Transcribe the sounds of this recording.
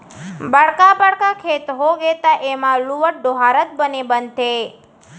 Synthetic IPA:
bəɽkabəɽkakʰet̪ɦoɡet̪aʔemãluʋəʈ̚ɖoɦaɾət̪̚bənebənt̪ʰe

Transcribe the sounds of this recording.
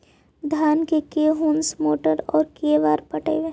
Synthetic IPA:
d̪ʱaːnkekeːɦuːnsmoːʈəɾɔːɾkeːʋaːɾpɐʈḛʋeː

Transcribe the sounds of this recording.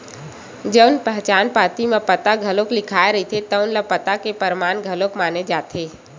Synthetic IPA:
d͡ʒənpəɦt͡ʃaːnpaːt̪imẽpət̪aɡʱəloklɪkʰaːeɾəɦit̪ʰet̪əʊnlapət̪akepəɾmaːnɡʱəlokmaːned͡ʒaːt̪ʰeː

